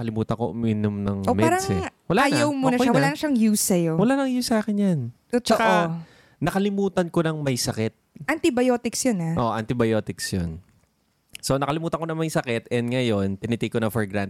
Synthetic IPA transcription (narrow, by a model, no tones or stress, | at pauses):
kɐlɪmuːt̪ɐnkoʔʊ̰miːnomnɐŋmɛaːɾɐsɛwɐlajawmonɐʃaɐlanɐʃaŋjuːsɐjowɐlaːnɐŋjusaːkɛnjan | t͡ʃɐka | nɐkɐlɪmuːt̪ɐnko̞nɐŋmɐjsɐkɛt̪̚ʔɐnt̪ɪbɐjoːt̪ɪksjonaʔoʔɐnt̪ɪbɐjo̞ːt̪ɪksjon | so̞nɐkɐlɪmuːt̪ɐnŋko̞nɐŋmɐjsɐkɛt̪ɛnd̪ŋɐjo̞nt̪ɪnɪt̪ikonɐfɔɹɡɾan